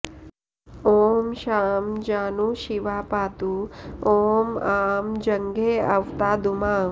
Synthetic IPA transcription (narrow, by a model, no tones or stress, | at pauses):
oːmʃaːmd͡ʒaːnuːʃiʋaːpaːt̪uoːmaːmd͡ʒɐŋɡeːɐʋt̪aːd̪umaː